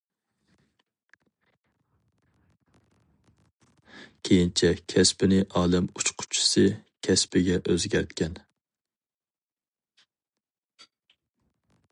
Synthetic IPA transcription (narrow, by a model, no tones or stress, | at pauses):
kʲʰejint͡ʃʰɛkʲʰɛspɪnɪʔɑːlˠɛmut͡ʃqʰʊ̥t͡ʃʰɪ̥sɨkʲʰɛspɪɡʲɛʔøzɡʲæɾt̪kʲɛn